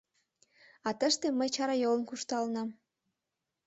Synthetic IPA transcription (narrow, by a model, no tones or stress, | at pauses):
ɑt̪əʃt̪eməjt͡ɕɑɾɑjolənkuʃt̪ɑlnɑm